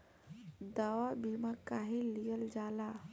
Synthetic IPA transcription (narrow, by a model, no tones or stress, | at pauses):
d̪awabimakaɦilijəld͡ʒala